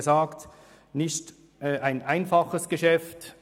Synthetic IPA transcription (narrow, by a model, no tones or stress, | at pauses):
zaːkt | nɪçt | ʔɛʔaɪnʔaɪnfɑχəsɡ̥əʃɛft